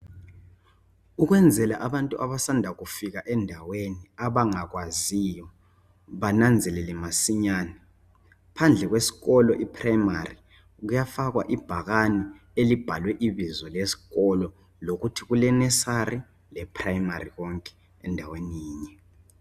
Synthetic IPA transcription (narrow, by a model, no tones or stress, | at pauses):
ukɣwɛnd͡zʱɛlaʔaβantʼuʔaβasandʱaɣufiɣ̬aʔɛndʱaweniaβaŋakwazijɔ | βanand͡zʱɛlɛlɛmasiɲaːnɛ | pʰand͡ɮʱɛk̬ɣwesi̥ɣɔlɔʔipʰrajmari | k̬ujafaɣ̬wa̰ʔib̥ʱaɣani | elib̥ʱalwɛʔiβizɔlesi̥ɣɔlɔ | lokutʰiɣulɛnɛsari | lɛpʰrajimariɣɔŋkʼɛ̥ | ɛndʱaweniiːɲɛ